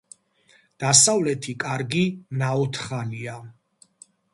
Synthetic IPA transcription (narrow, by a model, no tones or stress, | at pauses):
d̪̥asavlɛt̪ʰikʼaɾɡinaɔt̪ʰχalia